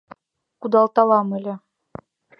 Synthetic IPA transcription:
kud̪ɑlˠt̪ɑlˠɑmɘ̆lʲɘ̆

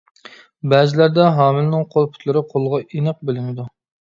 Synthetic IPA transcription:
bæːzɪlæɾd̪ɛɦɑːmɪlnɪŋqʰolˠpʰʊ̥t̪ʰlˠɪɾɪqʰolˠʁɑʔinɨq̚bɪlɪmɪd̪u

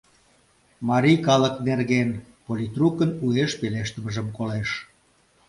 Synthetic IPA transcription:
mɑɾʲijkɑləknerɣen | polʲit̪rukənueʃpeleʃt̪ə̆məʒəmkoleʃ

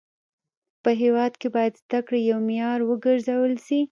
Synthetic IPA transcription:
pəɦewɑd̪kebɑjad̪zd̪akɽejawmjɑɾwəɡəɾzawəlsi

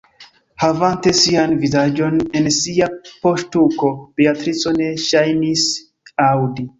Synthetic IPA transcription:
havante̞sianvizad͡ʒo̞ne̞nsiapostuko̞b̥eatɾit͡so̞ne̞ʃajnis | awdi

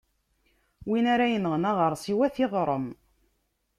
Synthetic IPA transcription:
winaɾæjənəʁnaʁəɾˤsˤiwæθɪðˤɾˤəm

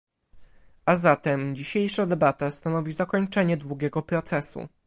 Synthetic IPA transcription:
azat̪ɛmd͡ʑiɕejʂad̪ɛbat̪ast̪anɔvʲizakɔɲt͡ʂɛɲɛd̪wuɡʲɛɡɔpɾɔt̪sɛsṵ

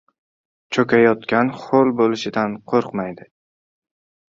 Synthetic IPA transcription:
t͡ʃʰɵkʲʰajɒt̪kʲanχolˠbolɪʃɪd̪anqʰoɾqmajd̪ɪ

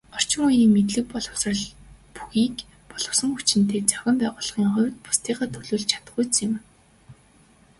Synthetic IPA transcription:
ɔr̥t͡ɕɪ̆ŋujiːŋmet̪ɮɘ̆k̚pɔɮɞ̆wsrə̆ɮpuxiːk | pɔɮɞ̆wsə̆ŋxut͡ɕɪ̆nt̪eːt͡sawxʲɪ̆mpæːʁʊːɮ̆χiːŋχʊ̟w̆ʲt̪̚pʊ̥st̪iːχaːt̪ʰɵɮuːɮt͡ɕʰḁt̪ə̆ɢujt͡sɪ̆m

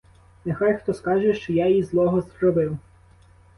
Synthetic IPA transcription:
nexɑjxt̪ɔskɑʒɛʃt͡ʃɔjajizlˠɔɦɔzɾɔbɪw

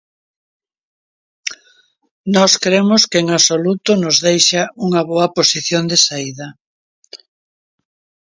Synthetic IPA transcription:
nɔskɾemʊskeeŋaβsolut̪ʊnozðejʃauŋɐβoɐposiθjond̪esaiðɐ

